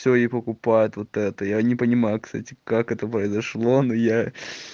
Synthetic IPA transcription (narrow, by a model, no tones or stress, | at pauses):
sʲoɪpəkʊpajʊt̪vot̪ɛt̪əjanʲɪpənʲɪmajʊkst̪a̰tʲɪ̥kakɛt̪əpɾəɪzɐʂlˠo̞noja